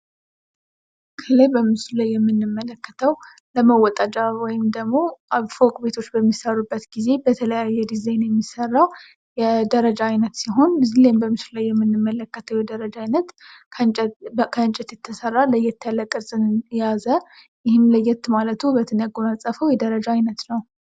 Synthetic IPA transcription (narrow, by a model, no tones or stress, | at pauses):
kʰələjbəmɨslulajːɛmːɨnːɨmːələkːə̥t̪ʰəw | ləməwɔt̪ʼat͡ʃʼawɔjɪmd̪əɡmo̞aβfokʼbe̞t̪ʰo̞t͡ʃːbəmːisərːubːət̪ɡize̞bət̪ʰələjajːɛd̪izajnjɛmːisərːaw | jɛd̪əɾəd͡ʒaːjnət̪siɦo̞nɨzlajmbəmɨslulajːɛmːɨnːɨmːələkːət̪ʰəwjɛd̪əɾəd͡ʒaajnət̪kʰəkʰəɨnt͡ʃʼɪt̪jɛt̪ʰːəsərːaləjːɛt̪ʰːəaləkʼɨɾsʼɨnjazə | jɪhɪmləjːɛt̪malət̪ʰubət̪ʰɨnəɡoməsʼəfəwjɛd̪əɾəd͡ʒaajnət̪nəw